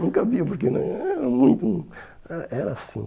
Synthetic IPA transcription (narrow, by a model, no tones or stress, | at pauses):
nũkɐaviɐpoɾkenɐ̰̃j̃ɛɾɐmũj̃t̪uũ | ɛɾɐɛɾɐasĩ